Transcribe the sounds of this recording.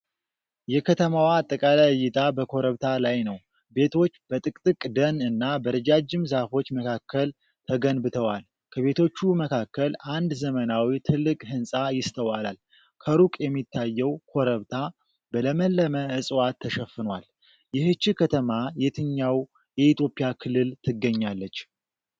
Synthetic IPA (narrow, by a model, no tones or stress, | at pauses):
jɛkʰət̪ʰəmawaːt̪ʼːəkʼalajɨjːɪt̪ʰʼabəkʰo̞ɾəβt̪ʰalajnəw | be̞t̪ʰo̞t͡ʃːb̥ət̪ʼɨkʼt̪ʼɨkʼd̪ənɨnːabəɾəd͡ʒad͡ʒːɪmzafo̞t͡ʃːməkʰakːəl | t̪ʰəɡənbɨt̪ʰəwal | kʰəβe̞t̪ʰo̞t͡ʃːuməkʰakːəlʔand̪zəmənawit̪ʰɨlːɨkʼɦɨnsʼajɪst̪ʰəwalal | kʰəɾukʼjɛmːit̪ːajːɛwkʰo̞ɾəβt̪ʰa | bələməlːəməɨsʼwat̪ʰːəʃəfːɨnwal | jɪhɨt͡ʃːikʰət̪ʰəmajɛt̪ʰɨɲːaw | jɛit̪ʰjo̞pʼːijakʰɨlːɨlt̪ʰɨɡːəɲːalːət͡ʃː